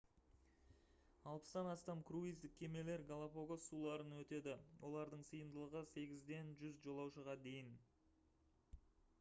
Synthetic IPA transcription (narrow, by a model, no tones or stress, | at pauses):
ɑlˠpə̥st̪ɑnɑst̪ɑmkʰruijzd̪ɪk̚ʲʰe̞me̞le̞ɾɡalˠapoɡosulˠɑɾənwɵt̪e̞d̪ɪwʔo̞lˠɑɾd̪əɴsəjəmd̪əlˠəʁəse̞ɡʲɪzd̪e̞nʒʏzʒo̞lˠɑwʃəʁɑd̪e̞jɪn